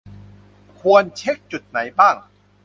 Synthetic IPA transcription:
kʰu˧ənt͡ɕʰe˦˥k̚t͡ɕu˨˩t̪̚na˩˦jbaː˥˩ŋ

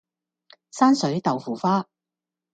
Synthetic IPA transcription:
saː˥nsɵ˨˥ɥt̪ɐ˨wfuː˨˩faː˥

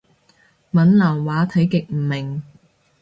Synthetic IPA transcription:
mɐ˨˥nlaː˨˩ŋwaː˨˥t̪ʰɐ˨˥jkɪ˨k̚m̩˨˩mɪ˨˩ŋ

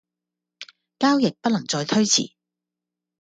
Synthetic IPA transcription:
kaː˥wjɪ˨k̚pɐ˥t̚lɐ˨˩ŋt͡sɔː˧jt̪ʰɵ˥ɥt͡sʰḭː˨˩

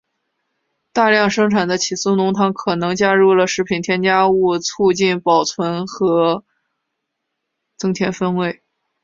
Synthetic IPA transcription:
t̪a˥˧ljɑ˥˧ŋʂɤ˥ŋʈ͡ʂʰa˨˩nd̪ə˦t͡ɕʰi˨˩su˥nʊ˧˥ŋt̪ʰɑ˧˥ŋkʰɤ˨˩nɤ˧˥ŋt͡ɕja˥ɻu˥˩lə˩ʂɻ̩˧˥pʰi˨˩nt̪ʰjɛ˥nt͡ɕja˥u˥˧t͡sʰu˥˧t͡ɕi˥˩npɑ˨˩ʊt͡sʰwə˧˥nxɤ˧˥ | t͡sɤ˥ŋt̪ʰjɛ˧˥nfə˥nwe˧˥˩ɪ

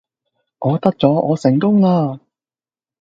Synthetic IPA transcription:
ŋɔː˨˧t̪ɐ˥k̚t͡sɔː˨˥ʔɔː˨˧sɪ˨˩ŋkʊ˥ŋlaː˧

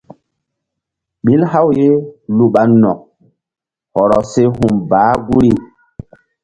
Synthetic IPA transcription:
ɓi˦lha˦wje˦lu˨ɓa˨˦nnːɔ̰˨k̚ | hɔ˨ɾɔ˨se˦ɦu˨mbaː˨˦ɡu˦ɾi˦

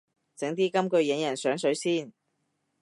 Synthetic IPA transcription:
t͡sɪ˨˥ŋt̪iː˥kɐ˥mkɵ˧ɥjɪ˨˥ŋjɐ˨˩nsœː˨˥ŋsɵ˨˥ɥsiː˥˩n

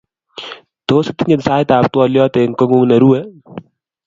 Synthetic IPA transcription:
t̪oː˦sɪt̪i˦ɲɪ˨t̪saː˦jt̪aː˨p̚t̪wɔ˦ljɔ˦t̪e˨ŋkɔ˦ŋu˦ŋnɐ˨ɾu˦ɛ˦

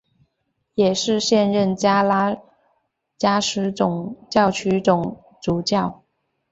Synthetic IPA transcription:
jɛ˨˩ʂɻ̩˥˧ɕjɛ˥˧nɻə˥˩nt͡ɕja˥la˥ | t͡ɕja˥ʂɻ̩˧˥ʈ͡ʂʊ˨˩ŋt͡ɕjɑ˥˩ʊt͡ɕʰy˧˥ʈ͡ʂʊ˨˩ŋ | t͡su˨˩t͡ɕjɑ˥˩ʊ

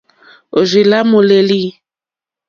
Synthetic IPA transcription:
o˨zi˨la˦mo˨le˨li˦

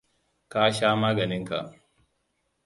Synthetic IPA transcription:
ka˦ʃaː˦maː˦ɡɐ˨nɪ˦ŋka̰˨ʔ

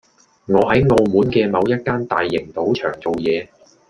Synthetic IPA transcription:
ŋɔː˨˧ɦɐ˨˥jŋoː˧muː˨˥nkɛː˧mɐ˨˧wjɐ˥t̚kaː˥nt̪a̰ː˨jːɪ˨˩ŋt̪o˨˥wt͡ʃʰœː˨˩ŋt͡so˨wjɛː˨˧

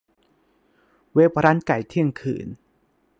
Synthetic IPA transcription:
weː˦˥pʰɾa˦˥nka˨˩jt̪ʰi˦˥˩əŋkʰɯ̰ː˨˩˦n

